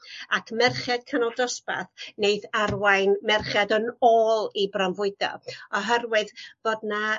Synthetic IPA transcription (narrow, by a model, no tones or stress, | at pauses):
akʰmɛrχjad̥̚kʰənɔlˠdɔspa̰θnejθarwajnmɛrχjadənoːlˠibrɔmvʊɨdɔ̰ɔɦərwɨðvoːdna